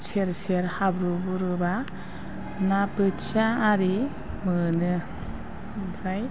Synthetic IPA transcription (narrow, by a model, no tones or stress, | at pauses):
seɾseɾhabɾubuɾɯba | napɯtsaːɾi | mɯnɯ | bɾaj